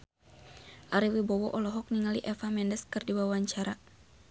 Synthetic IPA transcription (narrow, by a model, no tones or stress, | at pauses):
ʔaɾiwibɔwɔʔɔlɔɦɔk̚niŋaliʔɛfamɛndɛskɨrdiwawaɲt͡ʃaɾa